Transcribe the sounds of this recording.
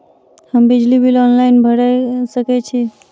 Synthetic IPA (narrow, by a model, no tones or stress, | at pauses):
həmbid͡ʒlibilɔnlaɪnbʱəɽasəkɛt͡ʃʰi